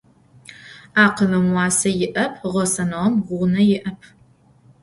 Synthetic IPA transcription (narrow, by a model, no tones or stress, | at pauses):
aːqəlɐmwɑːsɐjɪʔɐpʰʁʷɔsɐnɐʁɐmʁʷʊnɐjɪʔɐpʰ